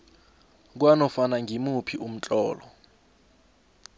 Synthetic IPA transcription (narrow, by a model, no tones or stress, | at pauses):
k̬wanɔfanaŋʱimupʰiʔum̩t͡ɬʼɔːlɔ